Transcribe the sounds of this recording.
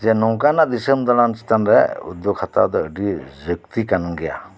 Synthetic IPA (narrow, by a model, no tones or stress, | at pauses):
d͡ʒɛnɔŋkanaʔd̪isəmd̪ɔɽansi̥t̪anɾɛ̰ṵd̪ɔkhat̪a̰d̪ɔəɖizək̚t̪ikanŋɡɛja̰